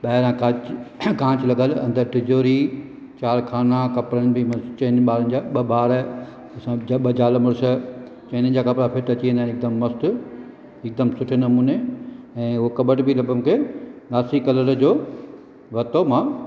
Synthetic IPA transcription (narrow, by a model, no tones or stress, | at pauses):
ɓɐɦɪɾãkakãːt͡ɕɪlɐɡəlɐ̰̃nd̪əɾʈɪd͡ʑoːɾi | t͡ɕaːɾkʰaːnakɐpɾənɪ̆bɪmɐt͡ɕɐ̃ɪnɓaːɾənɪd͡ʑaɓɐbaːɾ | ɐsãɓɐd͡ʑaːləmʊɽsə | t͡ɕɐ̃ɪnə̃n̆d͡ʑaːkɐpɾapʰɪʈɐt͡ɕiə̃nd̪aːĩnɪk̚d̪əmːɐst̪ʊ | ɪk̚d̪əmsʊʈʰenɐmuːneɛ̃ːʊɦokɐbəʈbɪlɐbəmkʰenaːsikɐləɾd͡ʑoː | ʋɐt̪omãː